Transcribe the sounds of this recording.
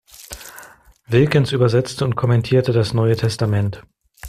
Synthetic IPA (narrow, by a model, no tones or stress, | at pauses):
vɪlkɪnsʔyːbɐzɛt͡stəʊnt̚kʰɔmɛntʰiːɐtədasnɔʏətʰɛstamɛnt